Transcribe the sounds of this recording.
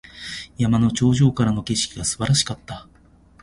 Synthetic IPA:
jamano̞t͡ɕo̞ːʑo̞ːkaɾano̞ke̞ɕi̥kʲiɡasɨ̥baɾaɕi̥kat̪ːa

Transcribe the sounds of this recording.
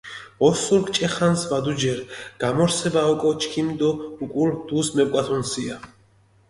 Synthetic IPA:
ɔsuɾkt͡ʃʼɛχansvad̪ud͡ʒɛɾɡ̥amɔɾsɛbaɔkʼɔt͡ʃʰʼkʰimd̪ɔukʼuɾd̪uːsmɛp̚kʼat̪ʰunsia

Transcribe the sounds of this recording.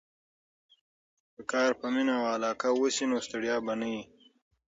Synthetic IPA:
d̪əkɑːɾpəminawalɑːkawosinost̪eɽjɑːbanai

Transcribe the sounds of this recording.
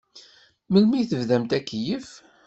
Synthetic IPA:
məlmiθəvðæmt̪ækːjəf

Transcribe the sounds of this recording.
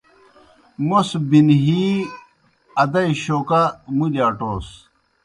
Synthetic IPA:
mosbinɦiː | ɐd̪ɐiɕoːkamulaːʈoːs

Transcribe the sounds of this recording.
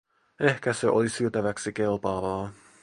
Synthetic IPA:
e̞hkæseʔo̞̰lisyøt̪æʋæksike̞lpɑːʋɑː

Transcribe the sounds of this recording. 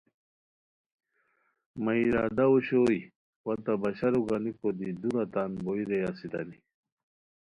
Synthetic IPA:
maiɾad̪auɕoj | wat̪abaɕaɾuɡanikod̪id̪uɾat̪anboiɾejasid̪ɐ̰ni

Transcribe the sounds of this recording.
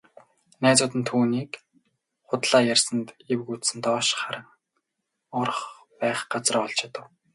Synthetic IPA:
næːt͡sʊːt̪ɘ̆nt̪ʰuːniːk | χʊt̪ɮ̥aːjærsə̆nt̪ewɘ̆kut̪sɘ̆nt̪ɔːʃχaɾə̆ŋ | ɔr̆χ | pæːχɢat͡srɔːɔɮt͡ɕʰḁt̪ə̆w

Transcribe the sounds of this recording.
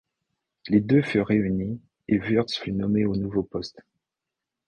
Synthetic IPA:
led̪øfyʁʁːeyni | evyʁd̪sfynɔmeonuvopɔst̪

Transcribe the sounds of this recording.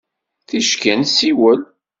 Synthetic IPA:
θiʃkænsiwəl

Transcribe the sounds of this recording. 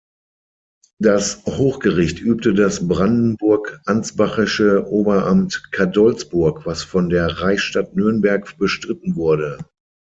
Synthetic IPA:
d̥ashoːxɡ̥əʁɪçtʔyːp̚tədasbʁandn̩bʊɐkʔant͡sb̥aχɪʃəʔoːbɐʔamtkʰadɔlsb̥ʊɐkv̥asfɔndeːɐʁaɪʃtatnʏɐnbɛɐkb̥əʃtʁ̥ɪtn̩vʊɐdə

